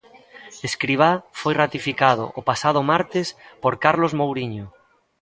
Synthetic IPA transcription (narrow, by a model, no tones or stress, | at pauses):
eskɾiβ̞afojrat̪ifikað̞ʊ̰ʔːpasað̞ʊmaɾt̪ɪspoɾkaɾlozmowɾiɲo